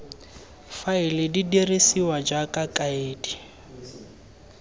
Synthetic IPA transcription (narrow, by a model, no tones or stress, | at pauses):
failididirisiwad͡ʒakʼakʼaeːdi